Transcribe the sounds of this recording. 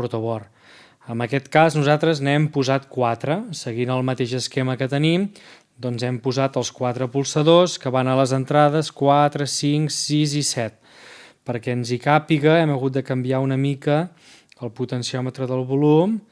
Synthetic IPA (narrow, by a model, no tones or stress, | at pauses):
uɾt̪uβɔr | əmbəkɛt̪kaznuzat̪ɾəznɛmpuzat̪̚kwat̪ɾəsəɣinəlˠmət̪eʒəskeməkət̪ənim | d̪ɔnzɛmpuzat̪əlˠskwat̪ɾəpulˠsəðoskəβanaləzənt̪ɾaðəskwat̪ɾəsiŋksizisɛt̪̚ | pəɾkɛənzikapiɣəɛməɣut̪̚d̪əkəmbiaunəmikə | əlˠput̪ənsiɔmət̪ɾəðəlˠβulum